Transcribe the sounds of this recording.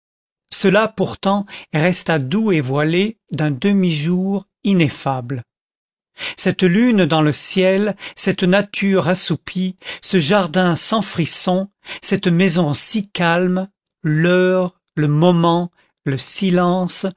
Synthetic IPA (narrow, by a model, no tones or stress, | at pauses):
səlapuʁt̪ɑ̃ʁɛst̪ad̪uevwaled̪ɛ̃d̪əmiʒuʁ | inefabl | sɛt̪lynd̪ɑ̃ləsjɛlsɛt̪nat̪ʰyʁasupʰisəʒaʁd̪ɛ̃sɑ̃fχisɔ̃ | sɛt̪mɛzɔ̃sikalm | lœːʁ | ləmɔmɑ̃ | ləsilɑ̃s